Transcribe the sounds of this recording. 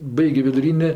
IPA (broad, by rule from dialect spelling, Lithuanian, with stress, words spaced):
ˈbɐɪɡʲoː ʋʲɪdʊˈrʲiːnʲeː